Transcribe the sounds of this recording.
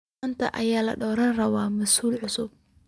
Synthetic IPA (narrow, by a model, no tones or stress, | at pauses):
nt̪ʰɐ̰ʔɐjaːlɐ̰ɖɔːɾɐnrɐwaːmɐsuːlʕʊsʊb̚